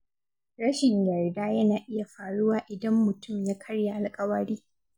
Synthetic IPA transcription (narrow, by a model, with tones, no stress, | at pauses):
ɽɐ˦ʃɪ˨ɲjɐ˨rdaː˦jɐ˦naː˨ʔɪ˦ja˨ɸaː˨ɽʊ˦waː˨ʔɪ˨dɐ˦mːʊ˨tʊ˦˨mjaː˦kʰɐ˦rja˨ʔa˨lkʼɐ˦wɐ˦ɽiː˦